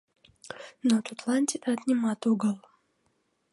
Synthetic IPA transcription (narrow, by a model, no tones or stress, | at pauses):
not̪ʊt̪lˠanʲt̪ʲɪt̪at̪nʲɪmat̪uɡəlˠ